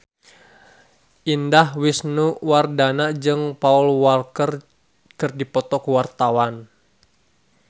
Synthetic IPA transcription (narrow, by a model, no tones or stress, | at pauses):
ʔindahwisnuwardanad͡ʒɨŋpaulwalkər | kɨrdipɔt̪ɔkuwart̪awan